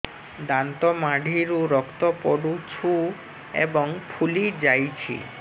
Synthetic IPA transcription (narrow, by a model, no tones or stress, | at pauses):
d̪ant̪ɔmaɖʱiɾuɾɔkt̪ɔpɔɽut͡ʃʰu | ḛbɔŋpʰulid͡ʑajt͡ɕʰḭ